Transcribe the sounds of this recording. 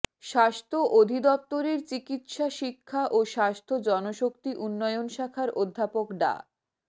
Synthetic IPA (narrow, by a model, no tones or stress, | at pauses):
ʃaʃt̪ʰoʔod̪ʱid̪ɔp̚t̪oɾeɾt͡ɕikit̪ʃaʃikʰːaʔoʃaʃt̪ʰod͡ʑɔnoʃokt̪iʔunːɔeonʃakʰaɾod̪ʱːapokɖa̰